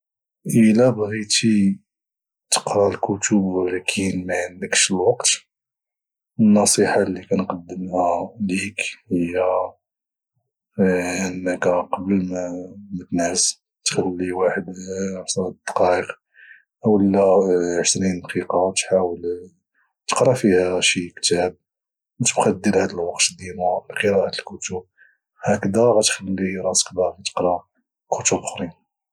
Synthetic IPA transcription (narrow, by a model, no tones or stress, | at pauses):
ʔəlæbɣit̪i | t̪ə̥qɾɑlkut̪ʰublkʰinmanːəkʃəlwɑqt̪ | ənːɑsˤiħɑlːikænqɑd̪ːəmhælikhəjːæ | ʔənːəkæqɑbəlmmət̪næs | t̪xælːiwaħəd̪ħsˤɑld̪̥ɑ̥qɑʔəq | ʔəwəlːæʃt̪ɾinqiqɑwt̪ħawəl | t̪ə̥qɾˤɑfihæʃikt̪æb̚ | mt̪əbxɑd̪ilhæd̪əlwɑqt̪d̪inulqəɾæʔat̪əlkʊt̪ʊb̚ | hækd̪æɣæt̪xəlːiɾˤɑskd̪æɣæt̪ə̥qɾˤɑ | kʰʊt̪ubxɾin